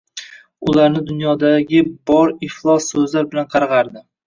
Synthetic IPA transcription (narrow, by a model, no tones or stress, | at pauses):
ʊlaɾnɪd̪ʊnjɒd̪aɡʲɪbɒɾɪχlˠɒsːɵzlaɾbɪlanqʰɑɾʁɑɾd̪ɪ